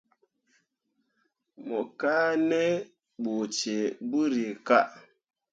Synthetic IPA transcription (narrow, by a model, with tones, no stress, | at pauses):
mɔ˨ka˦ne˦ | ɓo˨t͡ʃe˨bu˦ɾi˨ka˦ʔ